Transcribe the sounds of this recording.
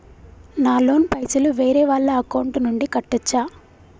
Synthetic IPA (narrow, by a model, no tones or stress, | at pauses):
naːlo̞ːnpɐjsɐluʋeːɾɛːʋaːɭːɐɐkɐwuɳʈnuɳɖikɐʈːɐt͡ʃːaː